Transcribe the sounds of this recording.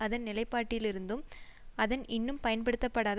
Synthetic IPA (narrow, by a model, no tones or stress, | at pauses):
ɐðɐnnɪlɐɪpːaːʈːɪlɪɾɯnd̪ɯmɐðɐnʔɪnːɯmpɐjɐnpɐɽɯt̪ːɐpːɐɽaːð